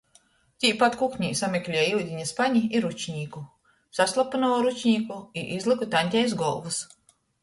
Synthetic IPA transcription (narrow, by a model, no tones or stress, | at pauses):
t̪ʲiːpat̪kukɲʲiːsamʲɛklʲiɛiwd̪ʲiɲaspaɲiiɾut͡ʃɲʲiːku | saslˠapɨnɔːɾut͡ʃɲʲiːkuiʔizlˠɨkut̪anʲt̪ʲɛjzɡɔlˠvus